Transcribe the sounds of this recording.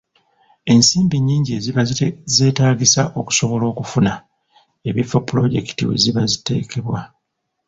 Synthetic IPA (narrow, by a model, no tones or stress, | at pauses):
e̞nsiːmbiɲːiːɲɟie̞ziβze̞ːtaːɡisaʔo̞ku̥so̞βo̞lo̞ːkufuna | e̞βifːopːuɾo̞ɟe̞̰ki̥tḭwḛziβazite̞̰ːke̞βwa